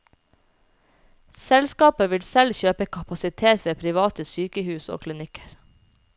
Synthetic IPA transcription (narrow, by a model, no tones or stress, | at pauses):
sɛlskɑːpəʋɪlsɛlçøːpəkʰɑpɑsɪt̪ʰeːt̪ʰʋeːpʰɾɪʋɑːt̪əsyːkəhʉːso̰ːkʰlɪnɪkʰə̥ɾ